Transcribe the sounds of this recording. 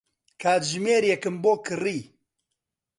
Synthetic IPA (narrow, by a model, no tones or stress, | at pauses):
kʰaːt̪ʒmeːɾjɛkɨmboːkʰɨriː